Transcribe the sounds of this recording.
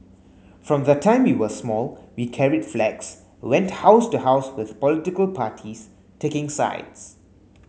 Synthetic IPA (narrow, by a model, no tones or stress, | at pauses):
fɹɔ̃mðətʰãɪ̃mwiwəsmɔlwikʰɛɹidflɛks | wɛ̃nthaʊstuhaʊswɪð̥pɔlɪtɪkəlpʰaːtʰis | tʰekɪ̃ŋsa̰ɪds